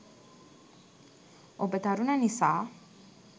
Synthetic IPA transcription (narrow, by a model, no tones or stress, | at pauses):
obət̪aɾunanisa